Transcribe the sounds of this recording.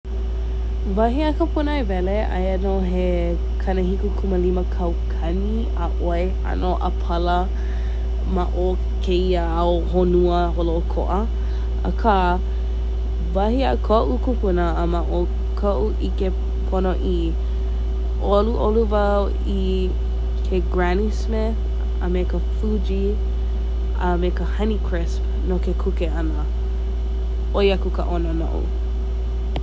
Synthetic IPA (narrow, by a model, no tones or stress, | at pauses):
vɐɦiəkəpʰunəevɛleʔɐ̰jɐnoɦe | kʰɐnəhikukʰuməliməkʰɐwkʰɐni | əʔoe | ɐ̰noʔə̰pʰɐlə | maʔo | kʰeiəao | honuəɦoloʔokʰo̰ʔə | ə̰kʰa | vɐhiəkʰoʔukupunəːmaʔo | kʰoʔuʔike | pʰonoʔi | ʔoluʔoluvɐ | i | kʰeɡɹænisme | ə̰mekəfud͡ʒi | əmekəhɐnikʰɹɪsp | nokekʰukeɐnə | ʔojɐkukə̰ʔonono̰ʔṵ